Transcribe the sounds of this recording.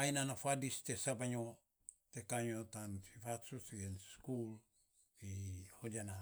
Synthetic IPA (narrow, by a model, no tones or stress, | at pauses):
ajnanafadist̪esabaɲo | t̪ekaɲot̪anfifatsusɡenskul | ihod͡ʒana